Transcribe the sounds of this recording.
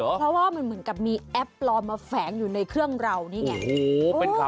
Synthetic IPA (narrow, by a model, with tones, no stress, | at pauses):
pʰɾɔ˦˥waː˥˩ma˧nmɯ˩˦ənka˨˩p̚miː˧ʔɛ˦˥p̚lɔː˧maː˧fɛː˩˦ŋjuː˨˩na˧jkʰɾɯ˥˩əŋɾa˧wniː˦˥ŋɛ˦˧˩ʔo˧˦